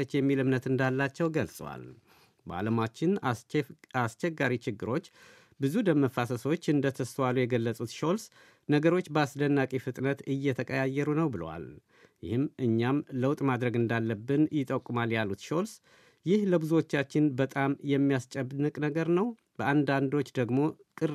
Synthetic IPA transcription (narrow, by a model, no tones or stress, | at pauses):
t͡ʃːjɛmːilɨmnət̪ɨnd̪alːat͡ʃːɛwɡəlsʼəwa̰l | bəa̰ləmat͡ʃːɪn | ast͡ʃɛɡːaɾit͡ʃɪɡːɨɾo̞t͡ʃː | bɨzud̪əməfasəsot͡ʃːɨnd̪ət̪ʰəst̪walujɛɡəlːəsʼut̪ʃo̞ls | nəɡəɾo̞t͡ʃːbəasd̪ənːakʼifɨt̪ʼnət̪ɨjːɛt̪ʰəkʼəjajːɛɾunəwbɨləwa̰l | jɪ̰hɨmʔɨɲːamləwt̪ʼmad̪ɾəɡɨnd̪alːəbːɨnjɪt̪ʼəkʼːumaljalut̪ʃo̞ls | jɪhləbɨzuwo̞t͡ʃːat͡ʃːɪnbət̪ʼamjɛmːijast͡ʃʼɛbnɨkʼnəɡəɾnəw | b̥əʔand̪and̪o̞t͡ʃːd̪əɡmo̞ | kʼɨ